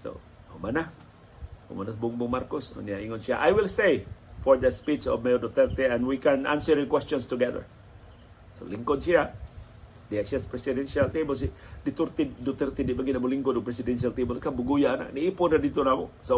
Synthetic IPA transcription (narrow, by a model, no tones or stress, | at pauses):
so̰ | homanah | ho̰manasbuŋbʊŋmarkʊsɔ̰niaiŋɔnsiaʔajwilsejfɔɹd̪əspit͡ʃɔ̰fmedut̪ərt̪iɛ̃nwikɛ̃nã̰nsəɾikwɛst͡ʃɔnst̪uɡɛdə̰ɹ | so̰liŋkɔnʃia | diasaspɾɛsidɛnsialt̪ibɔs̬idit̪urt̪idut̪ərt̪idibəɡinabuliŋkʊdupɾɛsidɛnsialt̪ibɔlskabuɡujaːna̰k̚niipʊdadit̪unamṵso